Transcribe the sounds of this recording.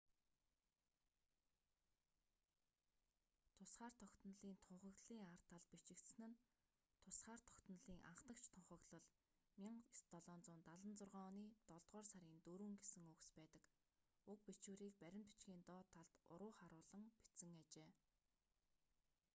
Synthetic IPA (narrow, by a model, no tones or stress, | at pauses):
t̪ʰʊsχaːr̥t̪ʰɔkt̪ə̆nɮiːnt̪ʰʊɴχə̆ɣɮiːŋar̥t̪ʰaɮpit͡ɕɪ̆kt̪s̆nɘ̆n | t̪ʰʊsχaːr̥t̪ʰɔ̥kt̪ə̆nɮiːŋʔa̰ɴχt̪ə̆kt͡ɕʰt̪ʰʊɴχə̆ɣɮə̆ɮ | mʲiɴst̪ɔɮɔːnt͡sʊːnt̪aɮə̆nt͡sʊrʁɔːniːt̪ɔɮt̪ʁɔːrsaɾʲiːnt̪uɾuːŋɡesɘ̆ŋɵkspæːt̪ə̆k | ɵk̚pit͡ɕuːɾiːk̚pæɾʲɪ̆mt̪ʰu̥t͡ɕɡʲiːnt̪ɔːt̪ʰːaɮt̪ʊ̰ɾʊːχaɾʊːɮə̆ŋpit͡sɘ̆ŋat͡ɕeː